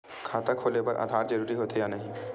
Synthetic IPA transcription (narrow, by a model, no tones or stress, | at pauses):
kʰaːt̪akʰoːlepɐɾʔa̰d̪ʱaːɾd͡ʒɐɾuːɾiɦoːt̪ejaːnɐɦĩ